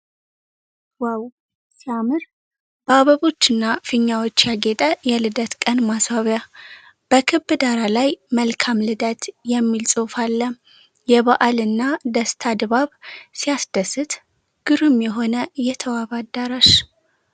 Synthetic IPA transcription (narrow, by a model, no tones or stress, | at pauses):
waw | siamɨɾ | b̥əaβəβo̞t͡ʃːɨnːafɨɲːawot͡ʃːjaɡet̪ʼəjɛlɨd̪ət̪kʼənmaswaβja | b̥əkʰɨbːɨd̪aɾalajməlkʰamlɨd̪ət̪ʰjɛmːilsʼofalːə | jɛβaʔalɨnːad̪əst̪ʰad̪βaβsijasd̪əsɨt̪ | ɡ̥ɨɾɨmjɛɦo̞nəjɛt̪ʰəwaβad̪aɾaʃ